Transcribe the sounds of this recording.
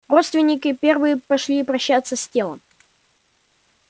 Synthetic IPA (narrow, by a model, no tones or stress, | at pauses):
ro̞t̪st̪vʲɪnʲɪkʲɪpʲe̞rvɨjɪpɐʂlʲiːpɾɐɕːat̪səsʲtʲelˠə̰m